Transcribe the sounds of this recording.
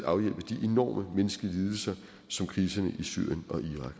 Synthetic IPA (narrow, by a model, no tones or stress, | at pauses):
ɑ̈ʊjel̰b̥əd̥iʔe̝nɒ̰ːmʔəmenəsɡ̥əliːð̞ˠl̩sɐ | sɒ̽mkʰʁiːsɐnəʔisy̰ɐ̰jənɒ̽ʔiʁɑ̈ɡ̥